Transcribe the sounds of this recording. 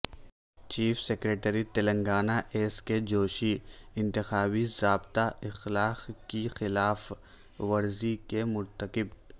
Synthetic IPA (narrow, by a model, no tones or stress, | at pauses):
t͡ʃiːfsekɾeːʈəɾit̪ɐlə̃ŋɡaːnaʔeːsked͡ʒoːʃiɪ̃nt̪ɪxaːbizaːbt̪aʔɪxlaːqkixɪlaːf | ʋɐɾzikemʊɾt̪əkɪb